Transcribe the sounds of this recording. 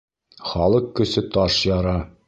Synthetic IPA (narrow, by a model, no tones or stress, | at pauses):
χɒlˠɤqkːɵ̆sɘt̪ɒʃjɑɾɑ